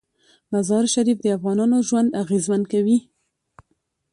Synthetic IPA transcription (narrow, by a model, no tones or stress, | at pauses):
mazɑɾʃaɾifd̪əafɣɑnɑnoʒwand̪aɣezmankawi